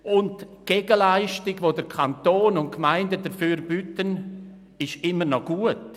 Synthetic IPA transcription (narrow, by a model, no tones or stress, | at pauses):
ʊntɡ̥eɡəlaɪʃtɪɡvoːdəɾkʰantoːnʊntkmaɪndədəfyːɾb̥ytən | ɪʃɪmːənɔɡ̥uət